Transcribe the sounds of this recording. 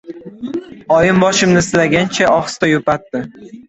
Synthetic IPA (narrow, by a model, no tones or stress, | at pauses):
ɒjɪmbɒʃɪmnɪslaɡʲant͡ʃʰaʔɒχst̪ajopat̪ːɪ